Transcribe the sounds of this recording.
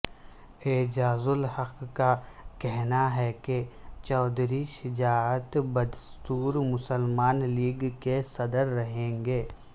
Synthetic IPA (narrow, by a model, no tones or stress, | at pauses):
eːd͡ʒaːzʊlhɐqːkakɛɦnaɦɛket͡ʃɔːd̪ɾiʃɪd͡ʒaːət̪bɐd̪st̪uːɾmʊsəlmaːnliːɡkesɐd̪əɾːɐɦẽːŋɡeː